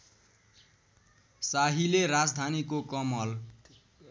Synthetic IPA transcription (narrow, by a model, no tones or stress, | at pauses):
saɦileɾad͡zd̪ʱanikokʌmʌl